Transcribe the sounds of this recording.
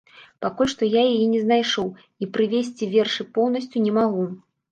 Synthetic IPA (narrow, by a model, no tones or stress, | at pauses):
pakulʲʂt̪ɔjajajɛnʲɛznajʂɔw | ipɾɨvʲesʲt͡sʲivʲɛrʂɨpɔwn̪ɐsʲt͡sʲunʲɛmaɣu